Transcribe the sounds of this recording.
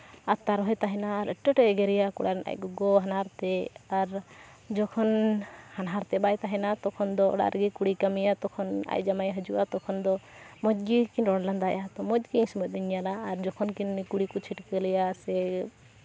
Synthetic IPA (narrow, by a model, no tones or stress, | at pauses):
at̪ːaɾɔɦɔjt̪aɦɛnaɾɛʈːɛʈɛɡɛɾɛjakṵɽaɾɛna̰jɡɔɡɔɦanaɾt̪ɛaɾ | d͡ʒɔkʰɔnhanɦaɾt̪ɛbajt̪aɦɛnat̪ɔkʰɔnd̪ɔ̰ɽa̰ɾɡikuɽikamijat̪ɔkʰɔna̰jd͡ʒamajɦəd͡ʒuʔat̪ɔkʰɔnd̪ɔmɔd͡ʒ̚ɡikinɾɔɽland̪ajat̪ɔmɔd͡ʒ̪̚ɡiĩsmɛiɲjalaːɾd͡ʒɔkʰɔnkinkuɽikɔt͡ʃʰiʈkəlɛjasɛ